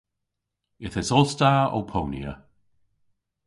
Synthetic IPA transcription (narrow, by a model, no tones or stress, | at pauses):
ɪθɛsɔlˠstaːo̰wpʰownj̰ə̰